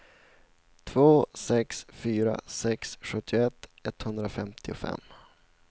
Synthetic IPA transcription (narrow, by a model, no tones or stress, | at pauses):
t̪ʰvoːsɛksfyːɾa̰sɛksɧɵt̪ʰːɪʊɛt̪ːɛt̪hɵnd̪ɾafɛmt̪ʰɪʊfɛ̰mː